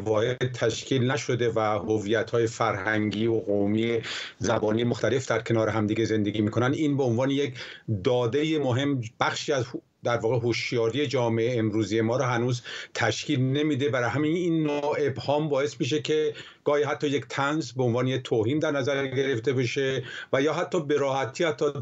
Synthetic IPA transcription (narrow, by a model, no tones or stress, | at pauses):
vɒːhed̪̚t̪ʰæʃcʰiːlnæʃo̞d̪evæhoviːjæt̪hɒːje̞fæɾhæŋɡiːoɣomiːezæbɒːniːemoxt̪ʰæle̞fd̪æɾkʰe̞nɒːɾeɦæmd̪iːɡe̞ze̞nd̪e̞ɡʲiːmiːkʰo̞nænd̪iːnbeonvɒːnejekd̪ɒːd̪e̞jemoɦe̞mb̥æxʃiːæz | d̪æɾvɒːɣeɦoʃjɒːɾije̞d͡ʒɒːmeʔeːmɾuːzije̞mɒːɾɔɦænuːzt̪ʰæʃkʰiːlne̞miːd̪e̞bæɾɒɦæmininːoe̞bhɒːmbɒːje̞smiʃ̬ekʰe̞ | ɡ̥ɒːhiːɦæt̪ʰːɒːjekt̪ʰænzbeonvɒːne̞jek̚t̪ʰoːɦiːnd̪æɾnæzæɾɡeɾe̞ft̪e̞beʃe̞væjɒːɦæt̪ʰːɒːbe̞ɾɒːhæt̪ʰiːhæt̪ʰːɒː